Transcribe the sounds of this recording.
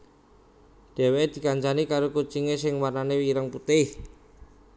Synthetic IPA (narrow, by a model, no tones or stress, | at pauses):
ɖ̥ɛ̤weed̪̥i̤kaɲt͡ʃanikaɾokut͡ʃiŋesɪŋwarnanewiɾəŋput̪ɪh